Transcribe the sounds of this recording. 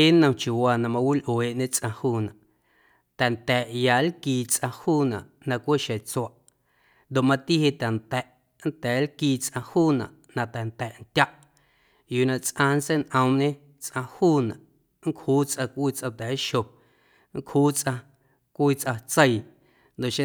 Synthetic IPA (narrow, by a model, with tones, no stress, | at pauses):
e˦nə̃˧t͡ʃju˨waː˧˨nã˧mã˧wi˦lʔweː˨ʔɲẽ˦t͡sʼʔã˧huː˦˨nã˨ʔ | t̪ɛ˨nt̪ɛː˨ʔja˨lkiː˧t͡sʔã˧huː˦˨nã˨ʔ | nã˧kʷe˦ʃe˨t͡swa˨ʔ | nd̪o˨ʔmã˧t̪i˦ɦe˧t̪a˨nt̪ɛ˨ʔ | nt̪ɛː˨˦lkiː˧t͡sʼʔã˧huː˦˨nã˨ʔnã˧t̪ɛ˨nt̪ɛ˨ʔnt̪ʲa˦ʔ | juː˨nã˧ʔt͡sʼʔã˧n˦t͡se˦nʔə̃˧mɲẽ˦ | t͡sʔã˧huː˦˨nã̰˨ʔ | ŋ˦khuː˦t͡sʔã˧kʷʔiː˦t͡sʔã˧t̪ɛ˨˦ʃo˨ | ŋ˦khuː˦t͡sʔã˧ | kʷiː˦t͡sʔa˧t͡sə˦˧j | nd̪o˨ʔʃẽ˦